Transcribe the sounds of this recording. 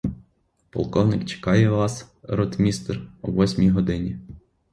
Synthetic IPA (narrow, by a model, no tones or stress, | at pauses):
pɔ̰lˠkɔwnɪkt͡ʃe̥kɑjɛʋɑs | ɾɔt̪mʲist̪rɔʋɔsʲmʲiɦɔd̪ɪnʲi